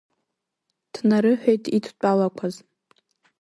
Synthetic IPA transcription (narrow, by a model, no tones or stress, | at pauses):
d̥ʰnaɾɨħᶣejtʰitʰt͡pʷʼalakʷʰaz